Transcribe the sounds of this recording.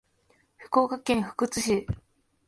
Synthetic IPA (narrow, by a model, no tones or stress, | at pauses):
ɸɯ̟̥ko̞ːkakẽ̞ɰ̃ɸɯ̟̥kɯ̟t͡sɨɕi